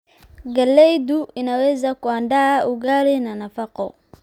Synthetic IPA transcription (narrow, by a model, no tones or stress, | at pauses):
ɡalɛjduʔinawɛzakuandauɡaɾinanafakɔ̰